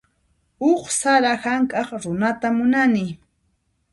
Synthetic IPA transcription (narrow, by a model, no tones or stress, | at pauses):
ʊχsaɾahaŋkʼɑχɾʊnat̪amʊnanɪ